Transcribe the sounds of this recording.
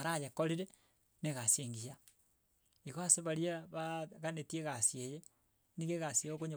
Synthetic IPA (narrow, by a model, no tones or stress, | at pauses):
aɾajekoɾiɾe | neɣaseŋɡia | iɣoaseβaɾiaβaɣanetieɣasjeje | niɣeɣasjeokoɲo